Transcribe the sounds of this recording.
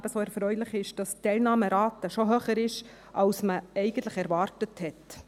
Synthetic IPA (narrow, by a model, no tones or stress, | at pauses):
bəsoɛɾfɾœʏlɪχɪʃd̥ɑstːɛlnɑːməɾɑːtəʃoɦøːχəɾɪʃ | ʔɑwsməɛɪɡən̩tləɪχɛɾvɑːɾtəthɛt